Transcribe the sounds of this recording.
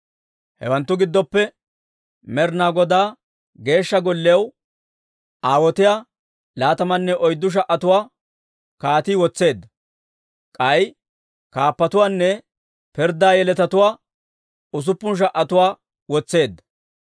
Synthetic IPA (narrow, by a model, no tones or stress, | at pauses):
hɛ̰wɐnt̪ːʊɡɪd̪ːɔpːɛ | mɛɾnaːɡɔd̪aː | ɡe̞ːʃːɐɡɔlːɛɐw | aːwɔt̪ɪjaː | laːt̪ɐmɐnːɛʔɔjd̪ːʊʃ̬ɐʔɐt̪ʊwaː | kaːt̪iːwɔt͡sːe̞ːd̪ːɐ | kʼɐj | kaːpːɐt̪ʊwaːnːɛ | pɪɾd̪aːjɛlɛt̪ɐt̪ʊwaː | ʊs̬ʊpːʊnʃ̬ɐʔːɐt̪ʊwaː | wɔt͡sːe̞ːd̪ːɐ̥